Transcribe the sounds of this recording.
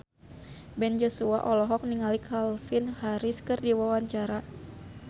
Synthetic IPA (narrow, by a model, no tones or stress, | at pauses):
bɛnd͡ʒosua̰ʔɔlɔɦɔk̚niŋalikʰalfɪnhaɾɪskɨrdiwawaɲt͡ʃaɾa